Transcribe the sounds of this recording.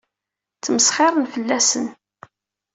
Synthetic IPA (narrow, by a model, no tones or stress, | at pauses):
t͡sːməsχɪɾˤənfəlːæsən